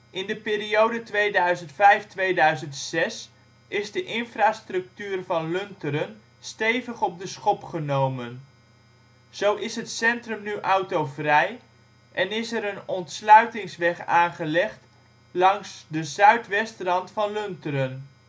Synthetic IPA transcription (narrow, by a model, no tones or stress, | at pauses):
ʔɪndəpiːɾiowdətʋejdœɥzəntfɛjftʋejdœɥzəntsɛs | ʔɪzdəʔɪnfraːstrɵk̚tyːrvɑnlɵntəɾən | stejvəχɔp̚dəsχɔpχənowmən | z̥owʔɪsɦətsɛntrɵmnyʔɑwtowvrɛj | ʔɛnɪsɛɾənɔntslœɥtɪŋsʋɛχaːnχəlɛχt | lɑŋsdəzœɥtʋɛstrɑntfɑnlɵntəɾən